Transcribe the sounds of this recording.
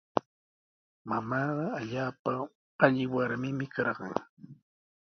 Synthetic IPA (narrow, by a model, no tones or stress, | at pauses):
mamaːɢɑːʎaːpa | aʎɪwaɾmɪmɪkɑɾɢɑ̰ŋ